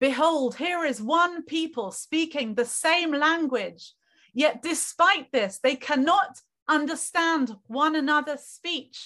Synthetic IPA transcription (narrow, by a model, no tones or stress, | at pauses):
b̥ɨɦoʊlˠd̚hiɹɪzwʌ̃npʰipəlˠspikɪ̃ŋðɨsẽɪ̃mlæ̃ŋɡwɪ̥d͡ʒ̥ | jɛt̚d̥ɨspaɪʔ̪̚ðɪsðeɪkʰænɑt | ʌ̃ndə˞stæ̃ndwʌ̃nənʌðə˞spit͡ʃ